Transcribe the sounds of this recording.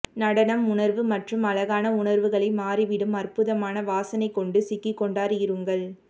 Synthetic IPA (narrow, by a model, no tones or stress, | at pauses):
nɐɽɐnɐmʊɳɐɾʋɯmɐʈrɯmɐlɐɣaːnɐʊɳɐɾʋɯɣɐɭɐɪmaːɾiʋɪɽɯmɐrpɯðɐmaːnɐʋaːsɐnɐɪkːɔɳɖɯsɪkːɪkːɔɳɖaːɾɯjɪɾɯŋɡɐɭ